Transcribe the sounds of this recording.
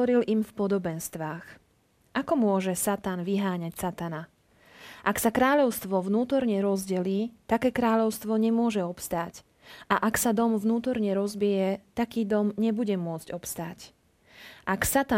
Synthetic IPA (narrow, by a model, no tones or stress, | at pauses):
ɔɾilimfpɔd̪ɔbɛnst̪ʋaːx | ʔakɔmʊɔʒɛsat̪aːnʋiɦaːɲacsat̪ana | ʔaksakɾaːʎɔʊst̪ʋɔvnuːt̪ɔɾɲɛɾɔzɟɛliːt̪akɛːkɾaːʎɔʊst̪ʋɔɲɛmʊɔʒɛɔpst̪aːc | aʔaksad̪ɔmvnuːt̪ɔɾɲɛɾɔzbijɛt̪akiːd̪ɔmɲɛbuɟɛmʊɔt͡sɟɔpst̪aːc | ʔaksat̪a